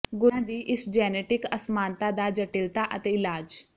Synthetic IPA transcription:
ɡʊãd̪iːʔɪsd͡ʒɛːneːʈɪkɐsmãːnt̪ad̪ad͡ʒəʈɪlt̪aʔət̪eːɪlaːd͡ʒ

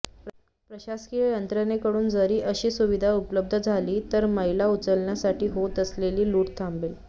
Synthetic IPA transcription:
pɾəɕaskijənt̪ɾənekəɽuːnd͡zəɾiːʔəɕiːsuʋid̪ʱaupləb̚d̪ʱəd͡zʱaliːt̪əɾməɦilaut͡səlɳjasaʈiːɦot̪əsleliːluːʈt̪ʰambel

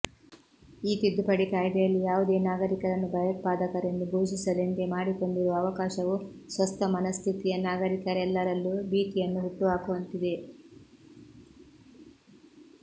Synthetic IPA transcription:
iːt̪id̪ːupɐɽikaːjd̪ɐjɐlːijaːʋud̪e̞ːnaːɡɐɾikɐɾɐnːubɐjɐt̪̚paːd̪ɐkɐɾenːuɡʱuːʃisɐlent̪emaːɽiko̞ɳɖiɾuɐʋɐkaːʃɐʋusʋɐst̪ʰɐmɐnɐst̪ʰit̪ijɐnaːɡɐɾikɐɾɛlːɐɾɐlːubiːʈijɐnːuɦuʈːuɦaːkuʋɐnt̪id̪e̞

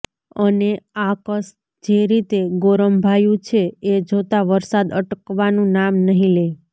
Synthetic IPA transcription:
əneakəs | d͡ʒeɾit̪eɡoɾəmbʱajũt͡ʃʰeːd͡ʒot̪aʋəɾsad̪əʈkʋanũnamnəɦĩle

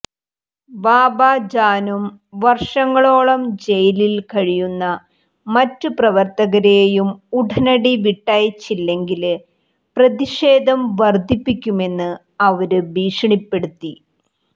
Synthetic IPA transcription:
baːbaːd͡ʑaːnum | ʋɐrʂɐŋːɐɭo̞ːɭɐmd͡ʑe̞jililkɐɻijunːɐ | mɐtːɨprɐʋɐrt̪ɐɣɐɾejumuɖʱɐnɐɽiʋiʈːaːjit͡ɕːilːe̞ŋɡil | prɐðiʂeːd̪ʱɐmʋɐrd̪ʱipːikʲːume̞nːɨ | ɐʋɐɾɨbiːʂɐɳipːe̞ɽut̪ːi

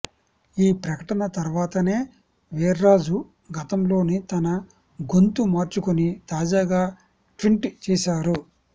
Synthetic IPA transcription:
iːpɾɐkɐʈɐnɐt̪ɐɾʋaːt̪ɐne̞ː | ʋeːɾɾaːd͡ʒu | ɡɐt̪ɐmlo̞ːnit̪ɐnɐ | ɡo̞nt̪umaːɾt͡ʃukunit̪aːd͡ʒaːɡaː | ʈɾiɳʈt͡ʃɛːʃaːɾu

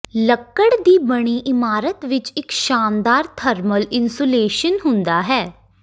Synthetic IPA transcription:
ləkːəɽd̪iːbəɽ̃iːʔɪmaːɾət̪ʋɪt͡ʃɪkʃaːnd̪aːɾt̪ʰəɾməlɪnsuːleːʃənɦʊ̃nd̪aːɦɛː

